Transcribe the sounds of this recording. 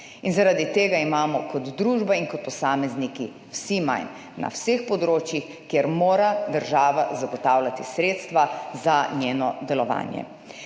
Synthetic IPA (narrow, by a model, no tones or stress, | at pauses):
inzaɾad̪it̪eːɡaimaːmɔkɔd̪d̪ɾuːʒbainkɔt̪̚pɔsaːmɛzniki | wsima̰jnː | a̰wsexpɔd̪ɾoːt͡ʃjix | keɾmoːɾad̪əɾʒaːʋazaɡɔt̪aːwlat̪isɾeːt̪st̪ʋazanjeːnɔd̪ɛlɔʋa̰ːnjɛ̰